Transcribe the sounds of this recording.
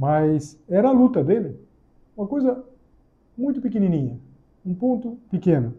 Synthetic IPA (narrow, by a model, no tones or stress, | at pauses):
majsɛɾɐːlut̪ɐd̪elɪ | ũmɐkojzɐ | mũj̃t̪ʊpikininĩɲɐ | ũpõnt̪upikẽnu